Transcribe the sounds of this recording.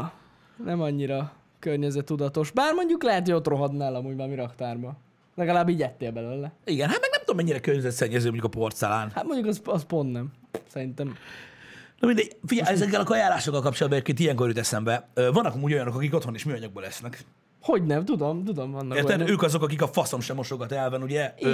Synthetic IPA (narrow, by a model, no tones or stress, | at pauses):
nɛmɒɲːiɾɒ | kørɲɛzɛt̪ːud̪ɒt̪o̞ʃbaːrmo̞ɲɟuklɛɦɛt̪hojo̞t̪ro̞ɦɒd̪naːlɒmuːɟmaːmiɾɒkt̪aːrbɒ | lɛɡɒlaːbːiːɟɛt̪ːeːlbɛløːlːɛiɡɛnɦat̪mɛɡnɛmt̪omɛɲːiɾɛkørɲɛzɛt̪sɛɲːɛzøːoɲɟukɒpo̞rt̪sɛla̰ːnhat̪mo̞ɲɟukɛsɒspo̞nd̪nɛm | sɛɾint̪ɛm | nomind̪ɛɟfiɟɛjɛzɛk̬ːɛlɒkɒjaːlːaːʃokːɒlkɒp̚t͡ʃolɒd̪̚bɛɟeːpkeːnt̪ijɛŋkoɾiyːt̪ɛsɛmbɛøvɒnːɒkɒmuːɟo̞jɒno̞kɒkikot̪honeːʃmiːɒɲɒɡ̚boːlɛsnɛk | ho̞ɟnɛmt̪ud̪o̞mt̪ud̪o̞mvɒnːɒert̪ɛøːkɒzokɒk̬ikɒfɒso̞mʃɛmːoʃoɡɒt̪ɛlvɛnuɟɛ